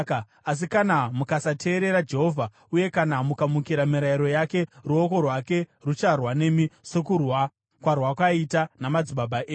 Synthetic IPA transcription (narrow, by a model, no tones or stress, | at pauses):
as̬ikanamukasatʰe̞ːɾe̞ɾad͡ʒe̞ɦo̞vʱa | uje̞kanamukamukiɾamiɾaiɾo̞jake̞ruoko̞rwake̞rut͡ʃarwane̞miso̞kurwa | kwarwakwaitanamad͡ziɓabaʔeː